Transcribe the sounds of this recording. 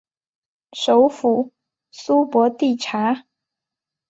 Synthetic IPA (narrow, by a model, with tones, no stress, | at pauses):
ʂo˧˥ʊfu˨˩ | su˥pwɔ˧˥t̪i˥˩ʈ͡ʂʰa˧˥